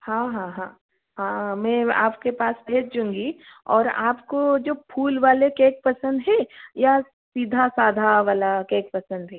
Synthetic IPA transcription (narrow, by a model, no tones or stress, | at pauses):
hãɦãːɦãː | hãːmɛ̃a̰ːpkepaːsbʱeːt͡ʃd͡ʒʊ̃ŋɡiɔːɾa̰ːpkod͡ʒoːpʰuːlʋaːlekeːk̚pɐsə̃nd̪ɦɛ̃ja | siːd̪ʱasaːd̪ʱaʋaːlakeːk̚pɐsə̃nd̪ɦɛː